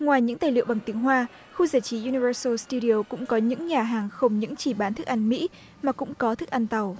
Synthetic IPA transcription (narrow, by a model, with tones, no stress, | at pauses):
ŋwaː˨˩jɲɨ̰˧˥ŋt̪aː˨˩lɨ̰˧˨wɓa˨˩ŋt̪i˨˦əŋhɦwaː˧ | xu˧zaː˧˩jt͡ɕi˨˦ʔu˧ni˧vəː˧sə˧st̪u˧ɾi˧ə˧˩kʊ̰˧˥ŋ͡mkɔ˨˦ɲɨ̰˧˥ŋɲaː˨˩ɦaː˨˩ŋxə˧wŋ͡mɲɨ̰˧˥ŋt͡ɕi˧˩ɓaː˨˦nt̪ʰɨ˨˩k̚ʔa˧nmḭ˧˥ | maː˨˩kʊ̰˧˥ŋ͡mkɔ˨˦t̪ʰɨ˨˩k̚ʔa˧nt̪a˨˩w